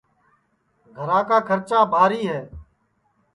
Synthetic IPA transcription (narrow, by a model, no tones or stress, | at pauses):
ɡʱəɾãːkaːkʰəɾt͡ʃaːbʱaːɾiːɦɛː